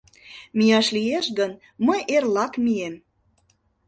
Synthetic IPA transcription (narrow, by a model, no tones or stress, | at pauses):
mijɑʃlieʃɡən | məjʔerlɑkmiem